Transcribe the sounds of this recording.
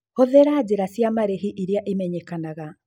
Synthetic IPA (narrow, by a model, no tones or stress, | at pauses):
hoðeɾad͡ʑeɾasjamaɾeɦiʔiɾeaʔemɛɲɛkanaɣa